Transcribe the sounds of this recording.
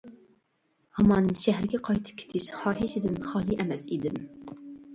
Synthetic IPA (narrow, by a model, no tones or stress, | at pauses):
hɑmɑːnɨnʃæɦɾɪɡʲɛqʰɑjt̪ʰɨ̥p̚kʲʰe̥t̪ʰɪʃχɑːɦiʃɪd̪ɪnχɑːlˠɨʔɛmɛsid̪ɪm